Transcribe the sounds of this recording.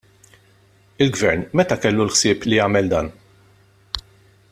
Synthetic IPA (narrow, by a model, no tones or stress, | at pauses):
ɪlɡvɛɾnmɛt̪ɐkɛlːulħsɪːplijɐːmɛld̪ɐːn